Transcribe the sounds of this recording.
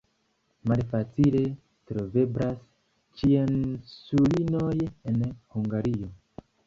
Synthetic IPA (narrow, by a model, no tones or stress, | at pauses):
malfat͡sile̞ | tɾo̞ve̞bɾas | t͡ʃiensulino̞je̞nhuŋɡaɾio̞